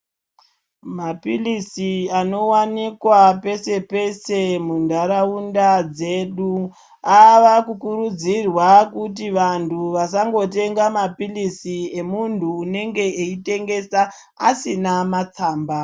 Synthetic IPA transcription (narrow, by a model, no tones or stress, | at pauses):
mapilisiano̞wanikwape̞se̞pe̞se̞mundʱaɾaundad͡ze̞ɗu | aʋakukuɾud͡zirwakutiʋantʰuʋasaŋɡo̞te̞ŋɡamapilisie̞muntʰuːne̞ŋɡe̞eite̞ŋɡe̞sa | a̰sinamat͡saːmba